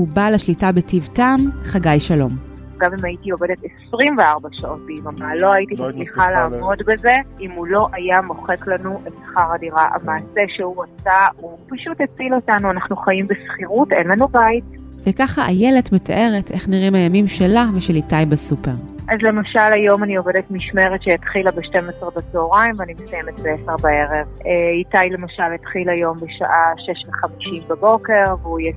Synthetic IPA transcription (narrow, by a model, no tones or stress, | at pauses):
hubalaʃlitabetivtamχaɡajʃalo̞m | ɡamimajitiovedetesʁimveaʁbaʃao̞t̚biimamalo̞ajitiat͡sliχalaːmo̞dbe̞ze̞imulo̞ʔajamo̞χe̞klanuʔetsḁχaʁadiʁaʔa̰maːseʃeuat͡saupaʃutet͡silo̞tanuanaχnuχajimbesχiʁutenlanubajtvekaχaʔajele̞tmeta̰ʔe̞ʁetʔe̞χniʁimajamimʃelaveʃelitajbasupe̞ʁʔazle̞maʃalajo̞manio̞vedetmiʃmeʁetʃejatχilabeʃte̞mesʁebat͡seoʁaimveanimesajemet̚beeseʁbae̞ʁeveitajle̞maʃaletχilajo̞mbeʃa̰ʔaʃeʃveχamiʃimbabo̞ke̞ʁveuje